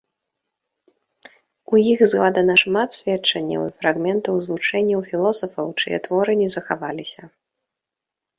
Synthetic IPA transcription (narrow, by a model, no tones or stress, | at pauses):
ujiɣzɣˠad̪ɐnɐʂmat̪sʲvʲɛt͡ʂɐnʲːɐ̰wḭfɾaɣmʲɛnt̪ɐwzvut͡ʂɛnʲːɐwfʲilˠɔsɐfɐwt͡ʂɨ̰jɛ̰t̪vɔɾɨnʲɛzɐxavalʲisʲɐ